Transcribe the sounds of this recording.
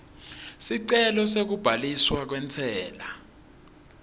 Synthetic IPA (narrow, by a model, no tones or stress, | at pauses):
siǀɛlɔsek̬ub̥ʱaliswak̬wɛnt͡sʰɛːla